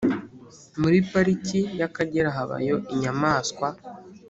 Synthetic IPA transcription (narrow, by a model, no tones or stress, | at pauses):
muɾipaɾicijakaɟeɾaɦaβa̰jo̞ʔiɲamaːskwa